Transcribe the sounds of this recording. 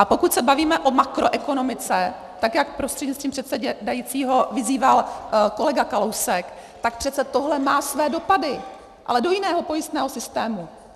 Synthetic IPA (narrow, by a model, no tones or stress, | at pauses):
ʔapo̞kucsɛbaviːmɛʔo̞makɾo̞ʔɛko̞no̞mɪt͡sɛ | t̪akjakpɾo̞st̪r̥ɛdɲɛst̪iːmpr̥ɛt̪sɛɟɛdajiːt͡siːɦo̞vɪziːvalko̞lɛɡakalo̞wsɛkt̪akpr̥ɛt̪t͡sɛt̪o̞ɦlɛmaːsvɛːdo̞padɪ | ʔa̰lɛdo̞jɪnɛːɦo̞po̞jɪst̪nɛːɦo̞sɪst̪ɛːmu